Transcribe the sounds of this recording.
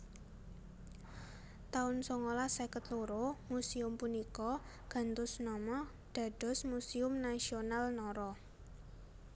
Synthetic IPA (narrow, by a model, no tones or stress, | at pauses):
t̪aʊnsoŋolasɛkət̪luɾomusiʊmpunikɔ | ɡ̥a̤nt̪ʊsnɔmɔ | ɖ̥a̤ɖ̥ɔ̤smusiʊmnasionalnɔɾɔ